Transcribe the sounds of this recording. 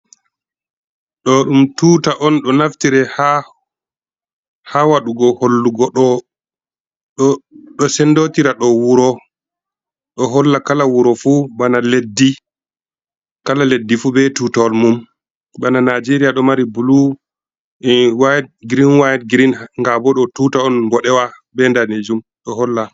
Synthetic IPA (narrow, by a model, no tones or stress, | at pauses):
ɗɔɗumtutaʔɔnɗɔnaftiɾɛha | hawaɗuɡɔholːuɡɔɗɔ | ɗɔsɛndotiɾaɗɔwuɾɔ | ɗɔɦɔlːakalawuɾɔfubanaledːi | kalaledːifubɛtutɔlmum | bananad͡ʒeɾijaɗɔmaɾibulu | wajɛɡɾinwajɛdɡɾinŋɡabɔɗɔtuːtaɔnbɔɗɛwa | bɛndaned͡ʒum | ɗɔɦɔlːa